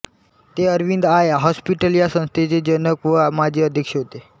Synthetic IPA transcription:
t̪eəɾʋind̪ajaɦɔspiʈəlijasə̃ñst̪ʰet͡ɕed͡ʑənəkʋəmad͡ʑeəd̪ʱjəkʂeɦot̪e

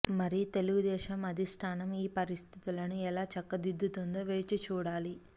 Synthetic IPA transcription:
mɐɾit̪e̞luɡud̪ɛːʃɐmɐd̪ʱisʈʰaːnɐmiːpɐɾist̪ʰit̪ilɐnuɛlaːt͡ʃɐkːɐd̪id̪ʱːut̪und̪oːʋeːt͡ʃit͡ʃuːɽaːli

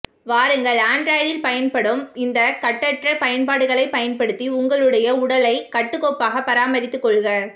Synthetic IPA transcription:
ʋaːɾɯŋɡɐɭaːɳɖɾaːjɽɪlpɐjɐnpɐɽɯmɪnd̪ɐkɐʈːɐʈrɐpɐjɐnpaːɽɯɣɐɭɐɪpɐjɐnpɐɽɯt̪ːiʊŋɡɐɭɯɽɐjɐʊɽɐlɐɪkɐʈːɯkːoːpːaːɣɐpːɐɾaːmɐɾɪt̪ːɯkːɔɭɣɐ

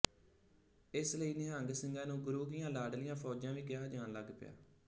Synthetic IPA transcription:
ɪsləiːnɪaəŋɡsɪŋɡãːnũːɡʊɾuːɡɪjãːlaːɖlɪjãːpʰɔːd͡ʒãːʋiːɡɪjaːd͡ʒaːnləɡpɪ̰ja̰ː

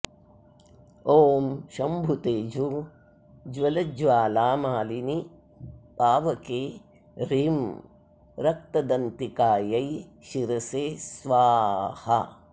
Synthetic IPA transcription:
oːmʃɐmbʱut̪eːd͡ʒu | d͡ʒʋɐlɐd͡ʒʋaːlaːmaːlini | paːʋɐkeː | ɾiːm | ɾɐk̚t̪ɐd̪ɐnt̪ikaːjɐjʃiɾɐseːsʋaːhɐ̰

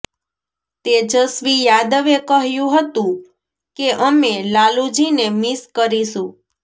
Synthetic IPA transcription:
t̪ed͡ʒəsʋijad̪əʋekəɦjũɦət̪ũ | keʔəmelalud͡ʒinemiskəɾiʃũ

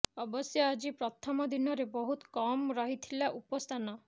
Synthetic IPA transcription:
ɔbɔsjɔad͡ʒipɾɔt̪ʰɔmɔd̪ʱinɔɾebɔɦut̪kɔmɾɔɦit̪ʰilaʔupɔst̪ʰanɔ

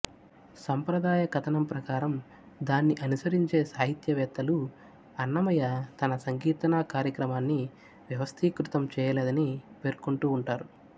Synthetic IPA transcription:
sɐmpɾɐd̪aːjɐkɐt̪ʰɐnɐmpɾɐkaːɾɐm | d̪aːnːiʔɐnusɐɾiɲt͡ʃe̞ːsaːɦit̪jɐʋɛːt̪ːɐlu | ɐnːɐmɐjɐt̪ɐnɐsɐŋɡiːt̪ɐnaːkaːɾjɐkɾɐmaːnːi | ʋjɐʋɐst̪ʰiːkɾut̪ɐmt͡ʃɛːjɐleːd̪ɐnipe̞ːɾkuɳʈuːɳʈaːɾu

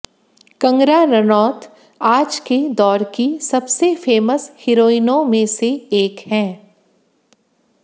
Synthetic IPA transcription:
kɐ̃ŋɡɾaɾɐnɔːt̪ | aːd͡ʒked̪ɔːɾkisɐbsefeːməshɪɾoːinõmẽseeːkhɛ̃ː

